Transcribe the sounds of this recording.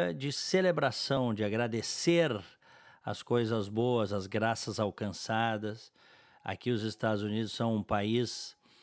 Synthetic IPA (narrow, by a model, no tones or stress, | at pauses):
d͡ʒɪselebɾasɐ̃w̃d͡ʒɪaɡɾad̪eseɾ | ɐ̰skojzɐzboɐzɐzɡɾasɐzawkɐ̃sad̪ɐs | a̰kiʊzɪst̪ad̪ʊzunid̪ʊsɐ̃w̃ũpais